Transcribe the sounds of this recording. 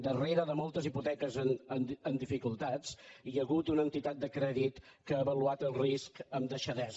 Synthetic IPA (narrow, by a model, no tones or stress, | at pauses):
d̪əreɾəðəmɔlˠt̪əziput̪ɛkəzənənənd̪ifikulˠt̪at͡siəɣut̪unənt̪it̪at̪̚d̪əkɾɛðit̪kəəːβəluat̪əlˠriskəmd̪əʃəðɛz